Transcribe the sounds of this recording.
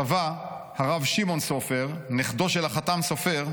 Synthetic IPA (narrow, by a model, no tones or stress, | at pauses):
avahaʁavʃimo̞nsofe̞ʁniχd̪o̞ʃelaχatamso̞fe̞ʁ